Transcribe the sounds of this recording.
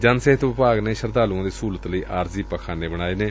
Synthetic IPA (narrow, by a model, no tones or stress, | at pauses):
d͡ʒənseɦət̪ʋɪpaːɡneːʃəɾd̪aːlãːd̪eːsuːlət̪ləiːʔaːɾziːpakʰaːneːbəɽ̃aːeːneː